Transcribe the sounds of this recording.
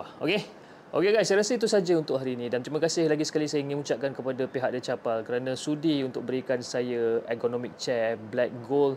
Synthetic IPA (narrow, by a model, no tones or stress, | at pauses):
ao̰ke | ʔo̰keɡajsajəɾasəit̪̬usad͡ʒaunt̪ʊkɦaɾinĩdant̪ɾiməkasɪhlaɡisə̥kalisajəiŋinmut͡ʃaʔ̚kankəpadapiɦak̚dat͡ʃapalkəɾanãsudiunt̪ʊk̚bəɾikansajaekonõmik̚t͡ʃɛblɛk̚ɡol